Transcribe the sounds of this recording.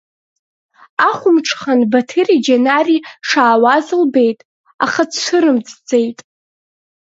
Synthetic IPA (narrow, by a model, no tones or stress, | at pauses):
aχʷʊmʈ͡ʂʰχanbatʰɨrid͡ʒenariʂaːwazɨlbe̞jtʼ | a̰χat͡sʰʂʷɨɾɨmd͡zd͡zejtʼ